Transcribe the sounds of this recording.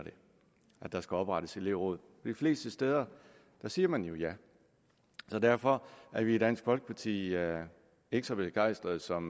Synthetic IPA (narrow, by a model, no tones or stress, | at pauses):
ɾ̥e̝ | ʔæd̥ɑ̈sɡ̥æɒ̽b̥ʁɑ̈ɾ̥əsele̝ʊ̰ʁɔːðˠ | ɒd̥ifle̝̰ːsd̥əsd̥eːð̞ˠɐ | d̥ɑ̈siːɐmænjo̝jæ | sɒ̽d̥æɐfɒ̽æɐʋid̥æn̰sɡ̥fɒ̽lɡ̥ə̥pʰɑ̈t͡sʰḭː | e̝ɡ̥sɒb̥eɡ̥ɑ̈ɪsd̥ʁɐð̩ˠsɒ̽m